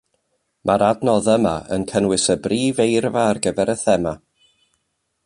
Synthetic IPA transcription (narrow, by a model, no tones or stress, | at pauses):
mʔaɾadnɔðəmaə̰nkʰənwɪsəbriːvejrvaːrɡəvɛɾəθɛma